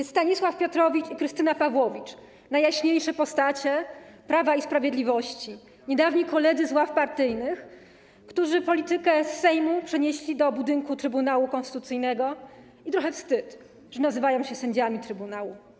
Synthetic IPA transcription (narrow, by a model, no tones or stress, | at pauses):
sst̪aɲiswafpʲjɔt̪ɾɔvʲit͡ʂikɾɘst̪ɘnapavwɔvʲit͡ʂ | najːaɕɲejʂɛpɔst̪at͡ɕɛpɾavaispɾavʲjed̪lʲivɔɕt͡ɕi | ɲɛd̪avɲekɔlɛd̪zɘzwafpaɾt̪ɘjnɘx | kt̪uʐɘpɔlʲit̪ɘkɛsːɛjmupʂɛɲeɕlʲid̪ɔbud̪ɘŋkut̪ɾɘbunawukɔnst̪ɘ̥t̪ut̪sɘjnɛɡɔ | it̪ɾɔxɛfst̪ɘt̪ | ʐ̥ɛnazɘvajɔ̃w̃ɕɛsɛɲd͡ʑamʲit̪ɾɘbunawu